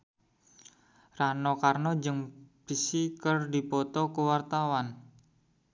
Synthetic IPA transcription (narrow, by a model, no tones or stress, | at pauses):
ranɔkarnɔd͡ʒəŋb̥isikərdi̤pɔt̪ɔkəwart̪awan